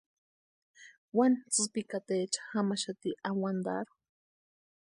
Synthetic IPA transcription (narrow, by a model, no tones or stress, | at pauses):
want͡sɨpikat̪et͡ʃḁxamaʃat̪iʔawand̪a̰ɾu